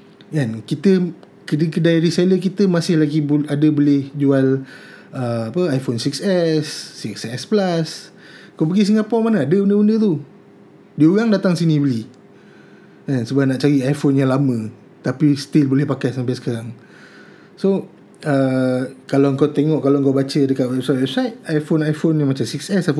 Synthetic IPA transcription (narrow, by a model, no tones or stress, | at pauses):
ankit̪ə | kəkədajɾisaləkit̪əmasɪhlaɡibadəbolɪhd͡ʒual | əapəajfonsiksɛsːiksɛsplas | əkawpaɡis̬əŋapamanəadəundəundət̪u | diəuɣaŋdat̪aŋsinibəli | ənsəbahnaʔt͡ʃaɾiajfonjaŋlamə̃ | t̪apist̪ɪlbolɛhpakajsampajsə̥kaɾaŋ | so | əkalaəŋkawt̪eŋɔʔkalawŋkabat͡ʃədəkaʔwɛbsajt̪̚wɛbsajt̪̚ajfonajfonjaŋmat͡ʃamsiksɛsaf